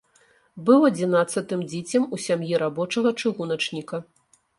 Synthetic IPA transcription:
bɨwɐd͡zʲin̪at̪sːɐt̪ɨmd͡zʲit͡sʲɐmusʲamjiɾabɔt͡ʂɐɣɐt͡ʂɨɣun̪ɐt͡ʂnʲikɐ

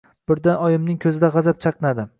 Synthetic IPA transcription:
b̥ɪɾd̪anɒjɪmnɪŋkʲʰɵzɪd̪aʁɑzap̚t͡ʃʰɑqnad̪ɪ

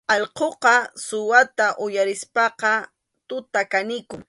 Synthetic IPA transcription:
ɑʎqoqɑsʊwat̪aʔʊjaɾɪspɑqɑ | t̪ʊt̪akanɪkʊŋ

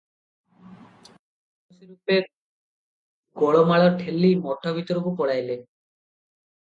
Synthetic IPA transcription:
siɾupe | ɡɔɭomaɭɔɾʈʰelːimɔʈʰːabit̪ɔɾubupɔɽajle

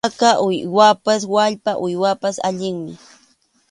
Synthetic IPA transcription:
kaʔʊjwapaswaʎpaʔʊjwapasa̰ʎɪŋmɪ

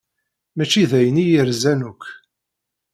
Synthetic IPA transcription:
mæt͡ʃːiðæjənijəɾzænukː

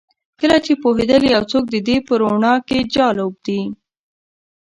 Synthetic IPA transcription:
kəlat͡ʃepoɦed̪əlijawt͡sok̚d̪əd̪epəɾoɳɑked͡ʒɑlob̚d̪i

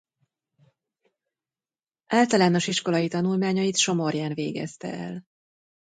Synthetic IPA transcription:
ʔaːlt̪ɒlaːno̞ʃiʃko̞lɒjit̪ɒnulmaːɲɒjit̪ʃo̞mo̞rjaːnveːɡɛ̰st̪ɛ̰ɛ̰l

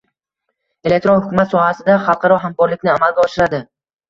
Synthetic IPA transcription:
e̞le̞k̚ʲt̪ɾonhʊkʰʊmat̪sɒhasɪd̪aχɑlˠqʰɑɾɒɦamkɒɾlɪkʲnɪamalˠɡʲaɒʃɪɾad̪ɪ

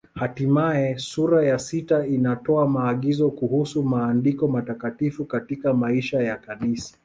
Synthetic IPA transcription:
hatimaɛsuɾajasitainatɔamaːɠizɔkuhusumaːndikɔmatakatifukatikamaiʃajakanisḁ

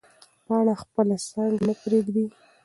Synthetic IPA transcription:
pəaɽaxpəlasaŋɡnəpɾeɡd̪i

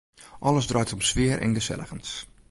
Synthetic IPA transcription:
ʔɔləsdrœjtɔmsʋɪəɹʔɛ̰nɡəsɛ̰ləɣəns

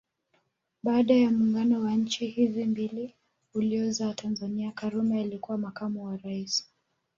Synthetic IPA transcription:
ɓaːɗajamuŋɡanɔwaɲ̩t͡ʃihizimbili | uliɔzawatʰanzaniakaɾumɛalikuwamakamuwaɾais

